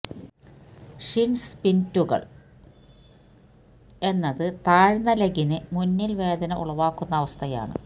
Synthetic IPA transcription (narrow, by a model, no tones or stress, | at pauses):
ʂinspintːuɣɐ̰ɭ | e̞nːɐðɨt̪aːɻnɐlɐɡinɨmunːilʋe̞ːd̪ɐnɐʔṵɭɐʋaːkːunːɐːʋɐst̪ʰɐja̰ːɳɨ̰